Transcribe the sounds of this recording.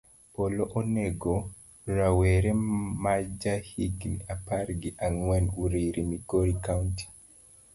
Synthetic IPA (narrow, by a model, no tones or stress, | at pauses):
poloʔoneɡo | ɾaweɾemad͡ʒahiɡniaparɡɪʔaŋwɛnuɾiɾimikoɾikawnti̥